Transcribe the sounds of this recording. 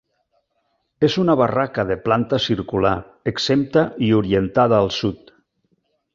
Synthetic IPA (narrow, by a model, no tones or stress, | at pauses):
ezunaβarakaðeplant̪əsiɾkula̰ɾ | əksemp̚t̪aʔiuɾient̪aðaːlˠsut̪